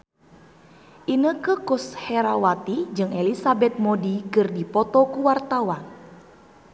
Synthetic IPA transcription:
ʔinəkəkʊshɛɾawat̪id͡ʒɨŋelisabɛt̪̚modikɨrdipɔt̪ɔkuwart̪awan

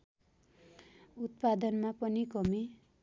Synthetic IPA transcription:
ut̪̚pad̪ʌnmapʌnikʌmi

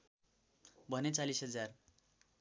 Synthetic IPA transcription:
bʱʌnet͡salisɦʌd͡zar

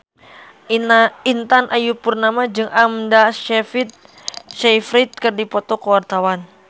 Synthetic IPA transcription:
int̪anʔajupurnamad͡ʒɨŋʔamdaʃɛfit̪̚ | ʃajfɾit̪̚kɨrdipɔt̪ɔkəwart̪awan

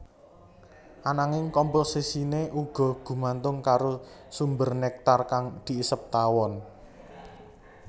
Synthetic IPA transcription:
ʔanaŋɪŋkɔmposisineʔuɡ̥ɔ̤ɡ̥ṳmant̪ʊŋkaɾo | sumbərnɛk̚t̪arkaŋd̪̥i̤isəp̚t̪awɔn

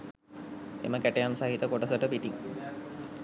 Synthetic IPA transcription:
ḛməkæʈejamsaɦit̪əkoʈəsəʈəpiʈiŋ

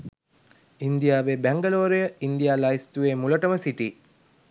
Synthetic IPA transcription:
ind̪ijaːʋeːbæŋɡəloːɾijəind̪ijaːlaist̪uʋeːmuləʈəməsiʈiː

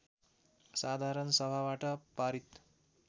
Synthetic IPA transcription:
sad̪ʱaɾʌnsʌbʱabaʈʌpaɾit̪

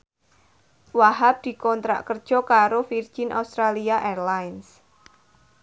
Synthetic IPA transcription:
waɦap̚d̪̥i̤kɔnt̪ɾa̰ʔkərd̥ʒ̥ɔ̤kaɾofird̥ʒ̥ɪnʔa̰ust̪ɾaliaʔerlajns

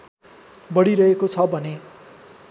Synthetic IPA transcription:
bʌɽiɾʌɦekot͡sʰʌbʱʌne

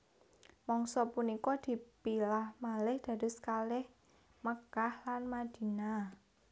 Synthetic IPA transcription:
mɔŋsɔpunikɔd̪̥i̤pilahmalɪhd̪̥a̤ɾʊ̤skalɪh | məkahlanmad̪̥i̤na

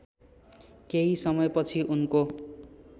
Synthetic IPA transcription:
keɦisʌmʌjpʌt͡sʰiʔunko

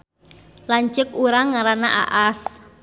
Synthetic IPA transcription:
laɲt͡ʃəkuɾaŋaɾanaʔa̰ʔas

